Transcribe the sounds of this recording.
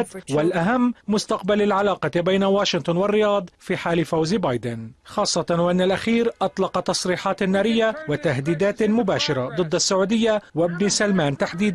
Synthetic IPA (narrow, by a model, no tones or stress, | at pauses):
t̪walʔaɦamːʊst̪ɑqbalalʕalɑːqɑbajnawaːʃɪnt̪ˤʊnwarːɪjɑːd̪ˤfiːħaːlɪfawzbɑːjd̪ɪnxɑːsˤːɑt̪waʔanːalʔaxiːɾʔɑt̪ˤlɑqɑt̪ɑsˤɾiːħɑːt̪anːaːɾɪjːawɪt̪ahd̪iːd̪aːt̪mʊbaːʃɪɾˤɑd̪ˤɨd̪ːasːaʕuːd̪ɪjːawɪbnsalmaːnt̪aħd̪iːd̪